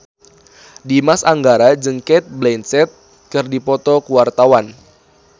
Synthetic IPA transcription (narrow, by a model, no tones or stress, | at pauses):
dimasaŋɡaɾad͡ʒəŋkɛt̪̚blɛnsɛt̪̚ | kɨrdipɔt̪ɔkuwart̪awan